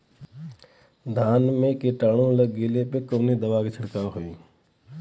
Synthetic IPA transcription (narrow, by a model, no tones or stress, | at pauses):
d̪ʱaːnmẽkeʈaːɽ̃õləɡɡelepekoːned̪əʋaːket͡ʃʰəɽkaːɾɦoiː